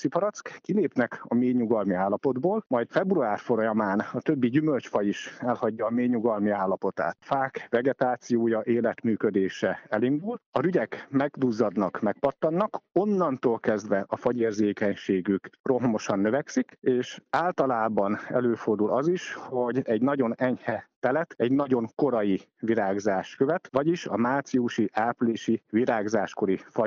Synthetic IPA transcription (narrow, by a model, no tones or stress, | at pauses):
sipɒɾɒt̪skkileːpnɛkɒmeːɲuɡɒlmiaːlːɒpo̞d̪boːlmɒjt̪fɛbruaːrfo̞ɾɒjɒmaːnɒt̪øbːiɟymø̞lt͡ʃfɒjiʃɛlhɒɟːɒːmeːɲuɡɒlmiaːlːɒpo̞t̪a̰ːt̪faːkvɛɡɛt̪aːt̪sijoːjɒʔeːlɛt̪myːkød̪eːʃɛɛlind̪ulɒɾyɟɛkmɛɡd̪uːzːɒd̪nɒkmɛk̚pɒt̪ːɒnːɒko̞nːɒnt̪oːlkɛzd̪ʋɛʔɒfɒɟeːrzeːkɛɲʃeːɡykro̞ɦmo̞ʃɒnːøvɛksikeːʃaːlt̪ɒlaːbɒnɛ̰løːfo̞rd̪ulɒziʃho̞ɟɛɟnɒɟo̞nɛɲhɛt̪ɛlɛt̪ɛɟnɒɟo̞ŋko̞ɾɒjiviɾaːɡzaːʃkøvɛt̪ʋɒɟiʃɒ̰maːt̪siuʃiʔaːpleːʃiʋiɾaːɡzaːʃko̞ɾifɒ